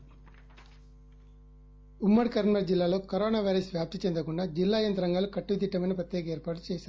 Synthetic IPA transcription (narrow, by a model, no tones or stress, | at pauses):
umːɐɽikɐɾɐɳmɐɾd͡ʒilːaːlo̞ːkɐɾoːnaːʋɐjɾɐsʋjaːp̚t̪it͡ʃend̪ɐkuɳɖaːd͡ʒilːaːjɐnt̪ɾɐŋɡaːlukɐʈːuʋit̪̬iʈːɐmɐjnɐpɾɐt̪jɛːkɐeːɾpaːʈu̥t͡ʃeːsʃaːɾu